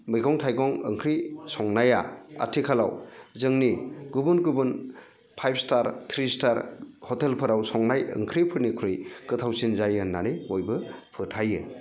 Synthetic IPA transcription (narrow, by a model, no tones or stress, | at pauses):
mɯjɡɔŋtʰajɡɔŋɯ̰ŋkʰɾisɔŋnajaa̰tʰikʰala̰wzɯŋniɡubunɡubun | pʰajp̚ʰstaɾtʰɾistaɾhɔtelpʰɯɾawsɔŋnajɯ̰ŋkʰɾipʰɯɾnikʰɾɯjkɯtʰawsinzajɯnaneojbɯpʰɯɾtʰajɯ